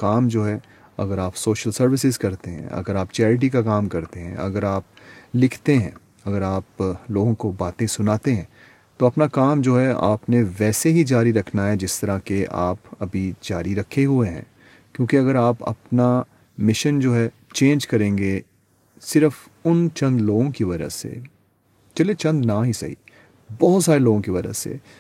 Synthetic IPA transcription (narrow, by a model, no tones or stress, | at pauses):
kaːmd͡ʒoːɦɛ | ɐ̰ɡəɾaːpsoːʃəlsɐɾʋɪsɪzkɐɾt̪eɦɛ̰̃ɐ̰ɡəɾaːp̚t͡ʃɛːɾɪʈ̬ikakaːmkɐɾt̪eɦɛ̰̃ɐɡəɾaːp̚ | lɪkʰt̪eɦɛ̃ː | ɐɡəɾaːploːɡõkobaːt̪ẽsʊnaːt̪eɦɛ̃ː | t̪oɐpnakaːmd͡ʒoːɦɛa̰ːpneʋɛːseɦid͡ʒaːɾiɾɐkʰnaɦɛd͡ʒɪst̪ɐɾakeʔa̰ːpɐbʱid͡ʒaːɾiɾɐkʰeɦueɦɛ̰̃ː | kjõːkiɐɡəɾaːpɐ̰pna | mɪʃənd͡ʒoːɦɛ | t͡ʃẽːnd͡ʒkɐɾẽːŋɡe | sɪɾəf | ʊnt͡ʃɐ̃nd̪loːɡõkiʋɐd͡ʒə̰sḛ | t͡ʃɐlet͡ʃɐ̃nd̪naɦisɐ̰ɦḭ | bɔɦʊt̪saːɾeloːɡõkiʋɐd͡ʒə̰sḛ